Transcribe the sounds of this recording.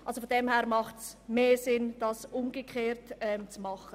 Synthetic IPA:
ʔɑlsofodɛmhɛːɾmɑχtsmeːsɪnd̥ɑsʊmɡekʰχeːɾtɛmt͡smɑχə

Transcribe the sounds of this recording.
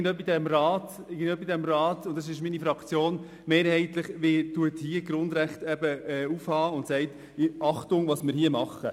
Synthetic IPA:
ndœbidɛmɾɑːt | ɪɡən̩dœbidɛmɾɑːtʊnt̚dɑs̬ɪʃminifɾɑkt͡sjoːn | meːɾhɛɪt̪ləχʋɪtuəthiəɡɾʊnd̪ɾæχtɛbəɛufhɑːʊntsɛɪt | ɑχtʊŋvɑːsmɪɾɦiəmɑχə

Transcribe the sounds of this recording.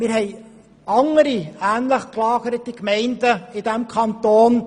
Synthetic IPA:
mɪɾɦɛɪ | ɑŋəɾiæːnləχklɑːɡəɾətikmɛɪndəɪd̥æmkʰɑnt̪oːn

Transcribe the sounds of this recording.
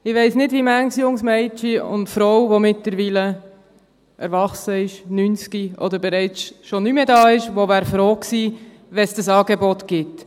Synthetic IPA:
ɪʋɛɪsnɪdvimæŋsjʊŋsmɛɪt͡ʃiʊ̰ntfɾɔwvomɪtləɾʋiːlə | ʔɛɾʋɑχsəɪʃnyːnskiɔ̰d̪əɾbɛɾɛɪt͡sʃɔnymədɑːɪʃʋovæːɾfɾoːksiː | ʋɛsd̥ɑsɑːɡebɔt̪ɡ̥ɪt

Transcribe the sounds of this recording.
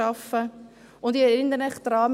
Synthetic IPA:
ɑfə | ʊndɪɪndənɛχd̥̪ɾɑːm

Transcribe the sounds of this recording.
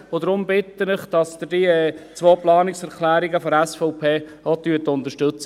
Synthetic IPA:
ʊd̪ɾʊmbɪt̪ːənɪχd̥ɑsd̪ədiɛt͡sʋoːplɑːnɪksɛɾkʰlæːɾɪɡəfɔɾæsfɔʊpʰeː | ot̪yːətʊnt̪əɾʃtɵt͡sə

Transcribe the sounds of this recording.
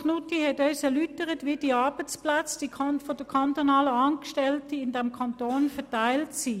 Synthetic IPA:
χnutihɛtœʏsɛɐlytəʁətʋiːd̥iːɑɐb̥ət͡splat͡sd̥ifod̥əkʰantonɑːləɑːnkʃtɛltəɪndɛmkʰantoːnfɛɐtaɪltsi

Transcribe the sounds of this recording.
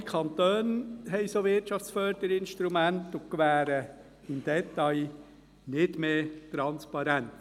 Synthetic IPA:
kʰɑnt̪øːnɦɛɪsoːʋɪrtt͡ʃɑft͡sfœɾd̪̥əɾɪnʃtɾumænt̪ʊkʋæːɾə | ɪmd̥̪ɛt̪ːɑj | nɪd̥meːtɾɑnspɑɾænt̪

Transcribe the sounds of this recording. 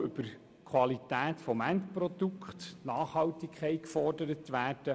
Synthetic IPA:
ʏbəɾ | kʰʋɑlitæːt̪fɔmænt̪prɔd̥̪ukχtnɑːχhɑwtikʰɛɪkfɔrdəɾət̪ʋæːrd̥ə

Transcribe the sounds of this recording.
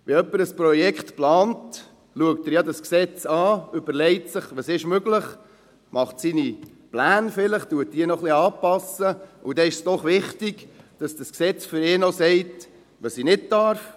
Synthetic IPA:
ʋɛœpːəɾəspɾɔjɛkχtplɑːnt | luək̚təɾjɑdɑsksɛt͡sɑːʏbəɾlɛɪtsəχʋɑsɪʃmøɡləχ | mʔɑχtsini | plæːnfɪləχtuət̚diːənɔχliɑːpɑsəud̥ɛɪʃsd̥ɔχʋɪχtiɡ̥d̥ɑsd̥ɑsksɛt͡sfʏɾɪːnosɛɪt | ʋɑsinɪt̚d̥ɑɾf

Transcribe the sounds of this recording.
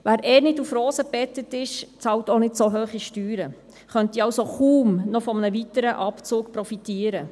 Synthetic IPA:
ʋæːɾɛːɾnɪdufɾoːsəpɛtətɪʃt͡sɑwtonɪdsoɦøːχiʃtyːɾə | χœntiɑwsoχuːmnɔfɔmənəʋitəɾəʔɑpt͡suːkpɾɔfitiːəɾə

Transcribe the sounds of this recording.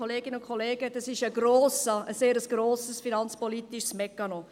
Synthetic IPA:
oleːɡɪnəʊnkʰoleːɡ̥ədɑsɪʃəɡroːsəəseːɾəsɡ̥ɾoːsəsfinɑnt͡spɔliːt̪iʃsmɛkɑno

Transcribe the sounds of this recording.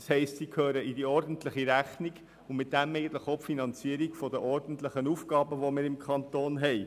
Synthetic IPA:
shɛɪstsiːkʰhøːɾəidiɔɾdən̩tləχiɾæχniɡ | ʊnmɪt̚dæmɛɪɡən̩t̪ləχopfinɑnt͡siəɾiɡfɔdəʔɔɾd̥n̩t̪ləχənuːfɡɑːbəʋomɪːɾɪmkʰχɑnt̪oːnɦɛɪ

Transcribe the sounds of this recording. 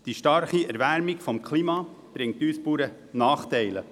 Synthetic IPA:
d̥iʃtɑɾχiæɾvæɾmikfɔmkχlimɑ | b̥ɾɪŋtyːspuːɾə | nɑːχt̪ɛɪlə

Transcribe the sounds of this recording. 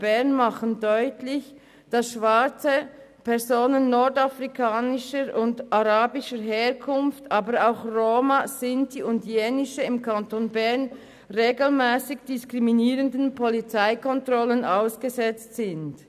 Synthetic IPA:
b̥ɛɐnmaχəndɔʏtlɪç | d̥ɑsʃv̥at͡səpʰɛɐzoːnənːɔɹdafʁikʰaːnɪʃəɾʔʊndʔaʁaːbɪʃəɦeːʁkʰʊnftaːbəɾaʊxroːmasɪntiʊndjeːnɪʃəɪmkʰantoːnbɛɐn | ʁeːɡl̩mɛːsɪçd̥ɪskʁiminiːʁəndənpʰɔlit͡saɪkɔntʁɔlənʔaʊsɡ̥əzɛt͡stsɪnt

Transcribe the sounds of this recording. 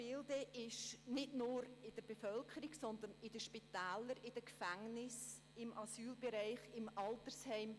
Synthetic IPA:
ɪldəʔɪʃnɪdnʊːɾɪd̥əɾb̥efœlkʰəɾiɡsɔnd̪ənɪd̥əʃpitɛːləɾɪd̥əkfæŋnɪs | ɪmʔɑsyːlbeɾaɪχɪmʔɑltəɾshɛɪm

